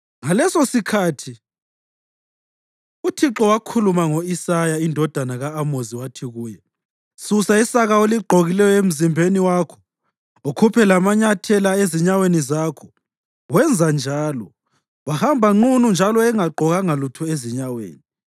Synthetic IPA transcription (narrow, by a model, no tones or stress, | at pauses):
ŋalɛsosikʰatʰi | utʰiǁɔwakʰulumaŋoisajaindʱɔd̥ʱanaɣaːmoziwatʰiɣuːjɛ | susaisaɣaoliɡ͡ǃʱoɣilɛjɔem̩zimbʱeniwaːkʰɔ̥ | okʰupʰɛlamaɲatʰɛlaeziɲawenizaːkʰɔ̥ | wɛnd͡zʱand͡ʒʱaːlɔ | wahambʱaŋ͡ǃunund͡ʒʱalɔɛŋaɡ͡ǃʱɔɣaŋalutʰɔeziɲawḛːni